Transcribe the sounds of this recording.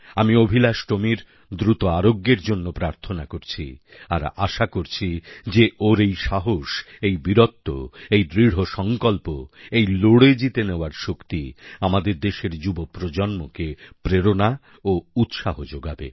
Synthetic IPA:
amiobʱilaʃʈomiɾ | d̪ɾut̪oaɾoɡːeɾd͡ʑonːopɾaɾt̪ʰonakoɾt͡ɕʰi | a̰ɾa̰ʃakoɾt͡ɕʰid͡ʑeʔoɾejʃaɦoʃejbiɾot̪ːo̰ejd̪ɾiɽ̤ɦoʃɔŋkɔlpoejloɽed͡ʑit̪eneoaɾʃokt̪iamad̪eɾd̪eʃeɾd͡ʑubopɾod͡ʑɔnmokepɾeɾona | out̪ʃaɦod͡ʑoɡabḛ

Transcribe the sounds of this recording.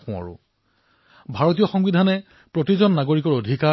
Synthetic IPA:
xʊ̃a̰ɹʊ̰ | bʱaɹotijɔxɔŋbidʱanɛ | pɹotizɔnːaɡoɹikɔɹodʱika

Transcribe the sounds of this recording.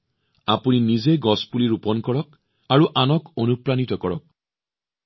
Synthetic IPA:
apuninizeɡɔspuliɹupɔnkɔɹɔk̚ | aɹuʔanɔkonupɹanitɔkɔɹɔk̚

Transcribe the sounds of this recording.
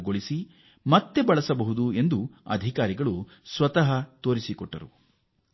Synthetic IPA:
ɡoɭisi | mɐt̪ːe̞bɐɭɐsɐbɐɦud̪ue̞nd̪uɐ̰d̪ʱikaːɾiɡɐɭu | sʋɐt̪ɐɦɐt̪oːɾisikɔʈːɐ̰ɾu

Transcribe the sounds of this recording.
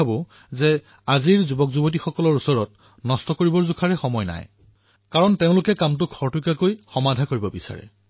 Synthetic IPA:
abʊ | zɛ | aziɹzubɔkzubot̬ixɔkɔlɔɹusɔɹɔt̚ | nɔstɔkoɹibɔɹzukʰaɹɛxɔmɔjna̰j | kaɹɔnteʊ̃lʊkɛkamt̬ʊkʰɔɹtukakojxɔmadʱakoɹibɔbisa̰ɹɛ̰

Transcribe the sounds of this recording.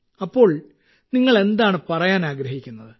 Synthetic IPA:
ɐpːo̞ːɭ | niŋːɐɭe̞nd̪aːɳɨpɐrɐjaːnaːɡɾɐɦikʲːunːɐðɨ

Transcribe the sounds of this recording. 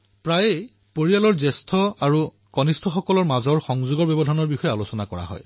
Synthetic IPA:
pɹaj | poɹijalɔɹzɛstʰɔaɹu | kɔnistʰɔxɔkɔlɔɹmazɔɹxɔŋzuɡɔɹbɛbɔdʱɔnɔɹbixɔjɛalosɔnakɔɹa̰ɦɔ̰j

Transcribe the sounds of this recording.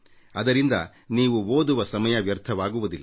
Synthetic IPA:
ɐd̪ɐɾind̪ɐ | niːʋuoːd̪uʋɐsɐmɐjɐʋjɐɾt̪ʰɐʋaːɡuʋud̪ilː

